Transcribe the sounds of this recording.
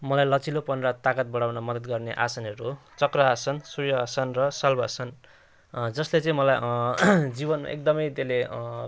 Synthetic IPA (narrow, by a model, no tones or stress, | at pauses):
mʌlajlʌt͡silopʌnrat̪akʌt̪̚bʌɽawnʌmʌd̪ʌd̪̚ɡʌrneʔa̰sanʌɾut͡sʌkrʌasʌnsurjʌːsʌnrʌsʌlbʱʌsʰʌn | d͡zʌslet͡sʌ̃ĩmʌlaj | d͡zibʌnma̰ʔḛk̚d̪ʌmʌjt̪ele